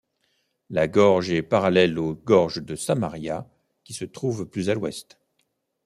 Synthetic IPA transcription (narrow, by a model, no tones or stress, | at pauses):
laɡɔʁʒɛpaʁalɛloɡɔʁʒd̪əsamaʁja | kʲisət̪χuvplyzalwɛst̪